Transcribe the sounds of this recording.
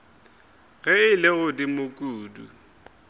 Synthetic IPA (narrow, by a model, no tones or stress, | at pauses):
ɣɛɪlɪɣʊdimʊkʼuːdṵ